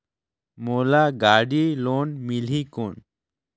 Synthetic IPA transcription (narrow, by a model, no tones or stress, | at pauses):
molaɡaɽilonmilikoɳ